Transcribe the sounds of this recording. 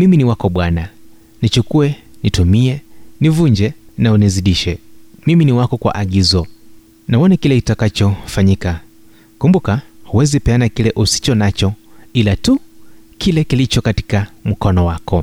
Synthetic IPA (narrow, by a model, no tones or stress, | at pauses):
miminiwakɔɓwana | nit͡ʃukuɛnitumiɛnivuɲd͡ʒɛnauniziɗiʃɛmiminiwakɔkwa̰ʔaɠizɔ | naɔnakilɛkitakat͡ʃɔfaɲika | kumbukahuwɛzipɛanakilɛʔusi̥t͡ʃɔnat͡ʃɔilatukʰilɛkilit͡ʃɔkati̥kam̩kɔnɔwakɔ